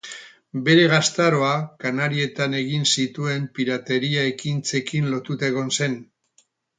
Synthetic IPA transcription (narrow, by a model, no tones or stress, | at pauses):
be̞ɾe̞ɣ̞ast̪aɾo̞akanaɾie̞t̪ane̞ɣinsit̪ue̞mpiɾat̪e̞ɾiae̞kint͡se̞kinlo̞t̪ut̪aɣo̞nse̞n